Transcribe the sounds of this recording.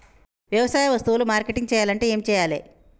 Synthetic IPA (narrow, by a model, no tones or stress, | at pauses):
ʋjɐʋɐsaːjɐʋɐst̪uʋulumaːɾkeʈiŋɡt͡ʃɛːjaːlɐɳʈe̞ːeːmit͡ʃɛːjaːlḛː